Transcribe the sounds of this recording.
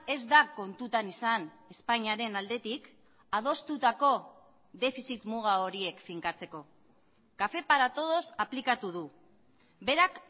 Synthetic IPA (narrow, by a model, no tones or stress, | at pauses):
e̞zd̪ako̞nt̪ut̪anisan | e̞spaɲaɾe̞nald̪e̞t̪ik | að̞o̞st̪ut̪ako̞ | ðe̞fisit̪muɣ̞ao̞ɾie̞kfiŋkat͡se̞ko̞ | kafe̞paɾat̪o̞ð̞o̞saplikat̪uð̞u | be̞ɾak